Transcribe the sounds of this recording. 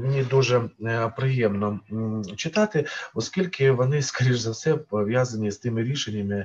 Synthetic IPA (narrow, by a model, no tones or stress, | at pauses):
mʲɪnʲid̪uʒɛpɾɪjɛmnɔt͡ʃɪt̪ɑt̪ɪɔskʲilʲkɪʋɔnɪskɐɾʲiʒzɐwsɛpɔʋʲjazɐnʲist̪ɪmɪɾʲiʃenʲːɐmɪ